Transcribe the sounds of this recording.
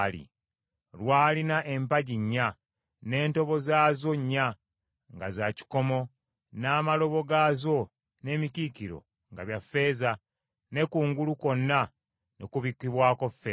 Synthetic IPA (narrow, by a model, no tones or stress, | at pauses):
lḭ | lwaːlinaʔe̞mpaɟiɲːa | ne̞ːnto̞βo̞zaːzo̞ɲːa | ŋɡazaci̥ko̞mo̞ | naːmalo̞βo̞ɡaːzo̞ | ne̞ːmicikiɾo̞̰ | ŋɡaβjafːe̞ːza | ne̞kuːŋɡuluko̞nːa | nḛkuβikːiβwaːko̞fːe